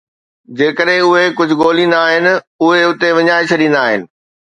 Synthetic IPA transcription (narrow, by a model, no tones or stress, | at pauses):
d͡ʑeːkəɗɦɪ̃ʊɦekʊd͡ʑʱʊ̆ɠoːlĩːnd̪aːɦɪnɪ̆ | ʊɦeʊt̪eʋɐɲaːɪt͡ɕʰɐɗĩːn̆d̪aːɦɪ̰nɪ̆